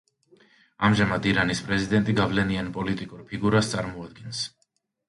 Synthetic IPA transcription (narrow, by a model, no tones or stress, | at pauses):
amʒamad̪iɾanispʼɾɛzid̪ɛnt̪ʼiɡavlɛnianpʼɔlit̪ʼikʼuɾpʰiɡuɾast̪sʼaɾmɔad̪̚ɡɛns